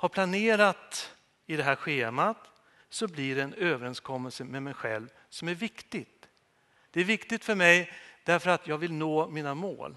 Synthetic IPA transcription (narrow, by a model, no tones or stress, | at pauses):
haɾpʰlaneːɾat̪ | ɪd̪ɛɦæːɾɧeːmat̪ | sɔblɪɖɛːnøːvəɾɛnskʰɔmːəlsəmɛmɛjɧɛ̰lv | sɔmæɾvɪkt̪ɪt̪ | d̪̥ɛæɾvɪkt̪ɪt̪fœɾmɛjd̪̥æɾfœɾat̪jɑːɡvɪlnoːmiːnamo̰ːl